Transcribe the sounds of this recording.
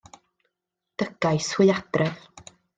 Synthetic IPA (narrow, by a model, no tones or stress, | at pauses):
d̥əɡ̥ajswɪɨad̥rɛð